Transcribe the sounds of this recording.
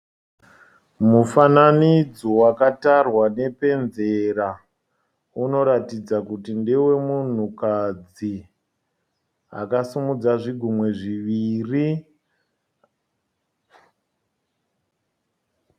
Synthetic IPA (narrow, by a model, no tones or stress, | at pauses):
mufananid͡zo̞wakatarwane̞pe̞nzeɾa | uno̞ɾatid͡zakutindewe̞mun̤ukad͡zi | a̰kasumud͡zaʐiɡʱumwe̞ʐiʋiːri